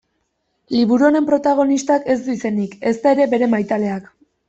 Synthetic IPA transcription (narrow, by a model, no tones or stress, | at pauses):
liβuɾuoɾe̞mpɾo̞t̪aɣ̞o̞nist̪ake̞zd̪uise̞nike̞st̪ae̞ɾe̞be̞ɾe̞majt̪ale̞ak